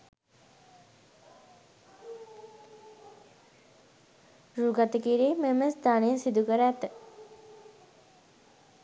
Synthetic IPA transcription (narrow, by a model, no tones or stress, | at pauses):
ruːɡat̪əkiːɾeːmeməsd̪aːnejəsid̪ukəɾæt̪ə